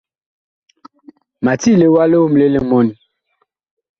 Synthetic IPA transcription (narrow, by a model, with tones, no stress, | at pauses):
ma˨ti˦˨le˨wa˦lo˦wm˨le˦le˨mɔ˨ni˨